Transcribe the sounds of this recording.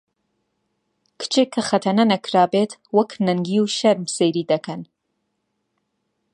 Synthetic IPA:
kʰɨ̥t͡ʃeːkʰːɐxɐt̪ʰɐnɐnɐkʰɾaːbet̪wɐknɐŋɡiwʃɐɾmsejɾiːd̪ɐkʰɐn

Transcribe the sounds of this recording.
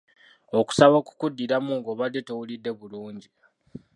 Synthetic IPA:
o̞ku̥saβoku̥kudːiɾamuŋɡoβadːe̞towulidːe̞βuluːɲɟi

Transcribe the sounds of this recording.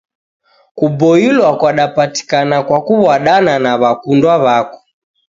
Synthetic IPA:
kubɔilwakwaɗapati̥kanakwakuβwaɗananaβakundwaβakɔ̥

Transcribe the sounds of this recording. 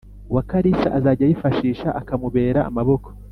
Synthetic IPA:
wakaɾisaʔazaːɟajifaʃiːʃaʔakamuβe̞ːɾa̰ːmaβo̞ko̥

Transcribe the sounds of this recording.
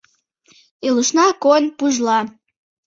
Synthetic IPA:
eluʃnɑkonpuʒlɑ

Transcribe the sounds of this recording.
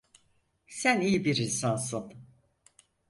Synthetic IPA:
sænijibiɾinsansun

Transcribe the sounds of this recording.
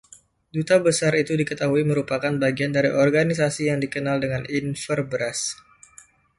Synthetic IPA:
dut̪abəsaɾit̪udikət̪aɦuiməɾupakanbaɡiandaɾiʔɔrɡanis̬asijaŋdikənaldəŋaninfərbɾas

